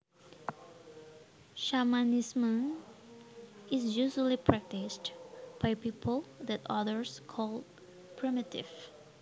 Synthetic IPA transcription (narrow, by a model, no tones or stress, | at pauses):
ʃamanɪsmə̃n | ɪsjuʒəlipʰɹɛk̚tɪstb̥ajpipʰəlˠd̪ɛtɔ̰ðəɹskʰɔlˠ | pʰɹimɪtɪ̰v